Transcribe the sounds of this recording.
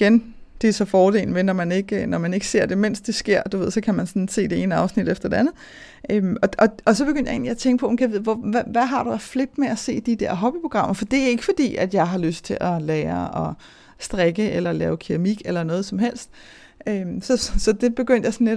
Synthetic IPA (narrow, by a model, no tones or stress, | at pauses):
iɡ̥end̥e̝æsɒ̽fɒːd̥e̝̰ːlnəmenɒmæne̝ɡ̥nɒmæne̝ɡ̥əse̝ɐ̰d̥e̝men̰sd̥e̝sɡ̥e̝ɐ̰d̥uʋe̝ð̰ˠsɒ̽kʰæmænsɒ̽nse̝̰ːd̥e̝e̝ːnəɑ̈ʊsnid̥efd̥ɐd̥e̝ænð̩ˠ | ʔømɒ̽ʔɒ̽ɒ̽s̬ɒ̽b̥e̝ɡøn̰d̥jɑe̝̰ːnljaæt͡sʰeŋɡ̥əpʰɒ̽menkʰæʋe̝ð̞̰ˠʋɒæʋæɦɑ̈ɾ̥uæfle̝b̥meæse̝̰ːd̥id̥æɐ̰ɦɒ̽b̥ipʰʁo̝ɡ̥ʁɑ̈m̰ɐfɒd̥e̝æɐe̝ɡ̥əfɒ̽d̥ḭːæd̥jɑ̈ɪɦɑ̈løsd̥̚t͡sʰe̝lʔælɛːɐɒ̽ | sd̥ʁeɡ̥əʔelɐlɛ̰ːʊkʰiʁɑmiɡ̥elɐnɔ̽ːð̩ˠsɒ̽mɦel̰sd̥̚ | ømsɒ̽sɒ̽d̥e̝b̥e̝ɡ̥øn̰d̥jɑ̈ɪsɒnːeɾ